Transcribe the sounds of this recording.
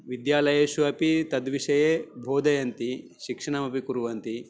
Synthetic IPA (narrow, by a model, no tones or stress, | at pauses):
ʋid̪jaːlɐjeːʃuɐpit̪ɐd̪ʋiʂɐjeːbʱoːd̪ʱɐjɐnt̪iʃikʂɐɳɐmɐpikuɾuʋɐnt̪i